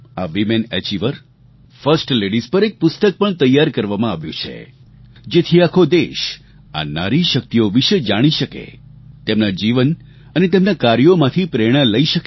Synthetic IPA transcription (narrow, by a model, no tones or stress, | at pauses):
aʋimenɛ̰t͡ʃiʋəɾ | fəɾsʈleɽizpəɾek̚pʊst̪ək̚pəɳt̪əjaɾkəɾʋamãaʋjṵ̃t͡ʃʰḛ | d͡ʒet̪ʰiakʰod̪eʃ | a̰naɾiʃək̚t̪ijoʋiʃed͡ʒaɽ̃iʃəkḛt̪emnad͡ʒiʋən | ənet̪emnakaɾjomãt̪ʰipɾeɽ̃ələiʃək